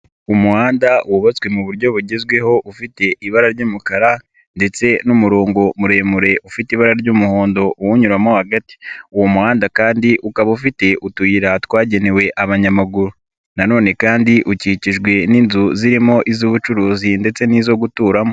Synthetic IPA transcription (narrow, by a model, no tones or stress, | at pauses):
umuhaːndauwuβat͡swe̞muβuɾɟo̞βuɟezɡwe̞ho̞ʔufite̞ʔiβaɾaɾɟuːmukaɾa | nde̞t͡se̞numuɾo̞ːŋɡo̞muɾe̞ːmuɾe̞ʔufitiβaɾaɾɟuːmuho̞ːndo̞ʔuwuɲuɾamo̞haɡati̥uwomuhaːndakaːndiʔukaβaufite̞ʔutujiɾatwaːɟe̞ne̞we̞ʔaβaɲamaɡuɾu | nano̞ːne̞kaːndiʔuciciʒɡwe̞niːnzuziɾimo̞ʔizuːβut͡ʃuɾuːzinde̞t͡se̞niːzo̞ɡutuːɾamo̞